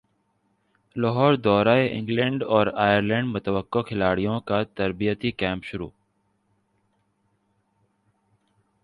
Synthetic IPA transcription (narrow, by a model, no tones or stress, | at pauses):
lɔɦɔːɾd̪ɔːɾaːeʔɪ̰̃ŋɡlɛ̃ːɳɖɔːɾaːjəɾlɛ̃ːɳɖmʊt̪əʋəkːokʰɪlaːɽijõkat̪əɾbijət̪ikɛ̃ːmpʃʊɾṵː